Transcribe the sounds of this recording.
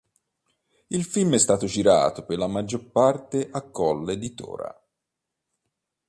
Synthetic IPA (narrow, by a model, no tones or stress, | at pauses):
ilfilmɛst̪aːt̪ʊd͡ʒiɾa̰ːt̪operlamad͡ʒːoɾpart̪eʔakːɔlːed̪it̪ɔ̰ːɾa̰